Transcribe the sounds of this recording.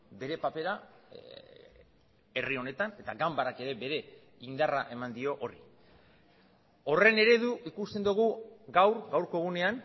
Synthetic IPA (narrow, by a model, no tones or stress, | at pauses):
be̞ɾe̞pape̞ɾa | e̞rio̞ne̞t̪ane̞t̪aɡambaɾake̞ɾe̞be̞ɾe̞ | ind̪araʔe̞mand̪io̞ʔoɾi | o̞re̞ne̞ɾe̞ðuikust̪e̞nd̪uɣ̞uɡawɾɡawɾko̞ɣune̞an